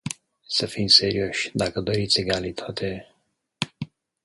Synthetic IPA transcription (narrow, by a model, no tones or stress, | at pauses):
sɐfinseɾioɕd̪akəd̪əɾit͡seɡaːlit̪ʰot̪ʰe